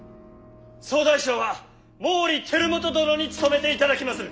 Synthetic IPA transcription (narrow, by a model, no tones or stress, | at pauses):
so̞ːd̪aiɕoːβa | moːɾʲit̪ʰe̞ɾɯ̟mo̞t̪o̞d̪oɾo̞ɲ̟it͡sɨ̥t̪o̞me̞t̪e̞it̪ad̪akʲimasɨ